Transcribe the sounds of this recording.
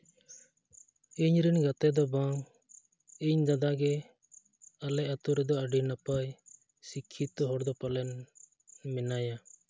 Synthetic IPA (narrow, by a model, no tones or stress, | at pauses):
iɲɾinɡat̪ɛd̪ɔbaŋ | iɲd͡ʒad̪aɡɛ | alɛʔat̪uɾɛd̪ɔəɖinapaj | sikʰːit̪ɔɦɔɽd̪ɔpalɛn | mɛnaja